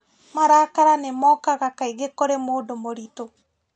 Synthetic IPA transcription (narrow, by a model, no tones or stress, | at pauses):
maɾaːkaɾanemɔkaɣakaiɣekoɾemoːdomoɾito